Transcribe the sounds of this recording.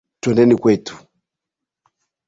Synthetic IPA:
twɛndɛnikwɛtu̥

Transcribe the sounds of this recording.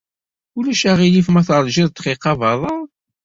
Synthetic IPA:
ulæʃæʁilifmæθɾˤʒɪðˤt̪χiqːɑvɑðˤɑˤ

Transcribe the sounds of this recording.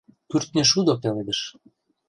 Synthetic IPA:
t̪yrt̪̚neʃud̪opeled̪əʃ

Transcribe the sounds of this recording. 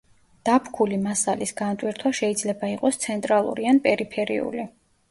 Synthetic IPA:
d̪̥apʰkʰulimasalisɡant̪ʼwiɾt̪ʰwaʃɛid̪zlɛbaiqʼɔst̪sʰɛnt̪ʼɾalˠṵɾianpʼɛɾipʰɛɾḭṵli

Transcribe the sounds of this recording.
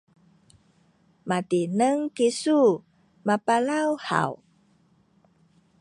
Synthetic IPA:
matinəŋkisu | mapalawha̰w

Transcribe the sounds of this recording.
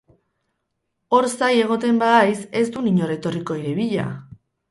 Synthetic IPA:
o̞ɾsaje̞ɣ̞o̞t̪e̞mbaðajse̞zd̪uniɲo̞ɾe̞t̪o̞riko̞iɾe̞βiʎa̰

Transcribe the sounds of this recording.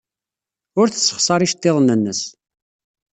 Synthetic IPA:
ʊɾθəsːə̥χsˤɑɾˤiʃt̪ːeðˤnːənːəs

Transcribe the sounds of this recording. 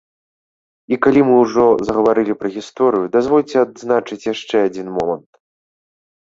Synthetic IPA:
ikalʲimɨwʐɔzɐɣɐvaɾɨlʲipɾɐɣʲist̪ɔɾɨjud̪azvɔlʲt͡sʲɛad̪znat͡ʂɨt͡sʲjaʂt͡ʂɛad͡zʲinmɔmɐnt̪

